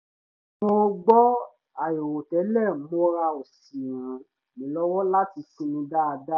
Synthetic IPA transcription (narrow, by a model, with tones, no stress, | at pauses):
mo˦˧ɡ͡bɔ˦ | a˨jo˨wo˨tɛ˨˦lɛ˦˨˦mo˧ɾa˧o˨s | ĩ˨ɾ̃ũ˨˦ | nĩ˨˦lɔ˦wɔ˦la˦ti˧sũ˦nũ˧˦da˦a˧da˦